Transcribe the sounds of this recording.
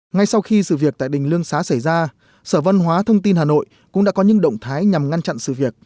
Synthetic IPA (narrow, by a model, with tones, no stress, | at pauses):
ŋa˧jsa˧wxi˧sɨ̰˧˨vi˨˩ək̚t̪a̰ː˧˨jɗï˨˩ŋ̟lɨ˧əŋsaː˨˦sa˧˩jzaː˧ | səː˧˩və˧nɦwaː˨˦t̪ʰə˧wŋ͡mt̪i˧nhaː˨˩no̰˧˨j | kʊ̰˧˥ŋ͡mɗaː˧˥kɔ˨˦ɲɨ̰˧˥ŋɗə̰˧˨wŋ͡mt̪ʰaː˨˦jɲa˨˩mŋa˧nt͡ɕa̰˧˨nsɨ̰˧˨vi˨˩ək̚